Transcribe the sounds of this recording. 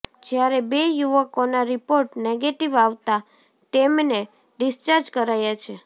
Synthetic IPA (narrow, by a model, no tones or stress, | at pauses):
d͡ʒjaɾebejuʋəkonaɾipoɾʈneɡeʈiʋaʋt̪a | t̪emne | ɖɪst͡ʃaɾd͡ʒkəɾajat͡ʃʰe